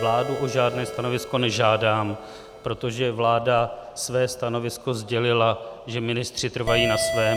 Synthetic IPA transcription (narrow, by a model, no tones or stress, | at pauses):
vlaːduʔoʒaːdnɛːst̪ano̞vɪsko̞nɛʒaːdaːm | pɾo̞t̪o̞ʒɛvlaːdasvɛːst̪ano̞vɪsko̞zɟɛlɪlaʒɛmɪnɪst̪r̥ɪt̪r̩vajiːnasvɛː